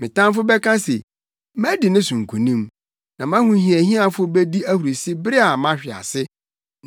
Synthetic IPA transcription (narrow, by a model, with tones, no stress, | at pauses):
mɪ̃˨tʰã˦m˦fʊ˦bɛ˦kʰã˦sḛ˨ | mæ˦dɪ˨nɪ̃˦sũ˨ŋ̩˨kʰu˨nĩ˦m | nã˨mã˦hʊ̃˨˦ɦĩ˨æ˨hĩ˦a˦˨fʊ˦bɛ˦di˦æ˦hu˨ɾi˨sɪ˦bɪ˦ɾɪ˦a˨mã˦ɕᶣɪ˨a̰˨sɪ˦